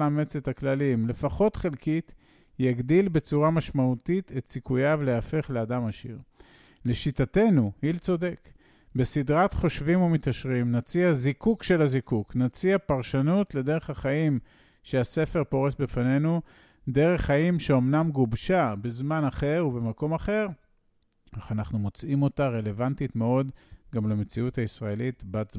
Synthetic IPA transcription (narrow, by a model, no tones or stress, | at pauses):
amet͡setaklalimle̞faχo̞tχelkit | jaɡdilbe̞t͡suʁamaʃmautite̞tsikujaveleafe̞χleadamaʃḭʁ | le̞ʃitate̞nuhilt͡so̞de̞k | be̞sidʁatχo̞ʃvimumit̪aʃʁimnat͡siazikukʃe̞lazikuknat͡siapaʁʃanutle̞de̞ʁe̞χaχaim | ʃease̞fe̞ʁpo̞ʁesbefane̞nu | de̞ʁe̞χːaimʃeomnamɡubʃabezmanaχe̞ʁuvemako̞maχe̞ʁ | aχanaχnumo̞t͡simo̞taʁe̞le̞vantitmeo̞dɡamlemet͡siuthaisʁaelit̪batz